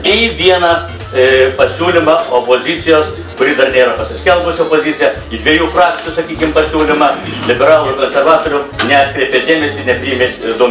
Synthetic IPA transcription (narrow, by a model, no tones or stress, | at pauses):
iʋʲiɛnɑ | pɐsʲuːlʲɪmɑoːpoːzʲɪt̪sʲɪjoːs | kʊɾʲiːd̪ɐrnʲeːɾɐpɐsʲɪsʲkʲɛlˠbʊsʲɪopoːzʲit̪ʲɪjɛ | id̪ʲʋʲiɛjuːfrɑːk̚t̪ʲɪjusɐkʲiːkʲɪmpɐsʲuːlʲɪmɑlʲɪbʲɛɾɑːlˠukoːnʲsʲɛɾʋɑːt̪oːɾʲʊnʲɛpʲɾʲiɛpʲeɛd̪ʲeːmʲɛsʲiːnʲɛpʲɾʲiːmʲeɪd̪uɔ